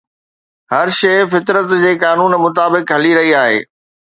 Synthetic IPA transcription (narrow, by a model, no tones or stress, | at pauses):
ɦɐɾʃɐɪfɪt̪ɾət̪d͡ʑeːkaːnuːnmʊt̪aːbɪkɦɐliɾɐɦiaːɦḛː